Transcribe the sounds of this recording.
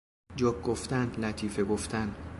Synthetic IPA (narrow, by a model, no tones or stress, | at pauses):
d͡ʒɒkɡoft̪ænd̪læt̪ʰiːfeɡoft̪ʰænd̪